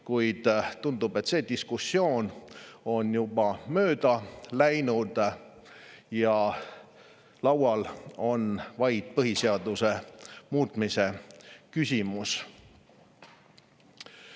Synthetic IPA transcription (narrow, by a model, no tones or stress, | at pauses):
kujd̪̥t̪ːund̪̥ub̥e̞t̪ːse̞ːd̪̥iskusːio̞ːno̞njub̥ɑmø̞ːd̪̥ɑlæjnud̪̥ | jɑ | lɑwɑlo̞nvɑjd̪̥̚pɤɦiseɑd̪use̞muːt̪ˑmise̞kysʲimus